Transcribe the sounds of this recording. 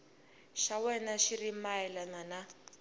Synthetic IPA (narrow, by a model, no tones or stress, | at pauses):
ʃawɛnaʃirimaɛlanana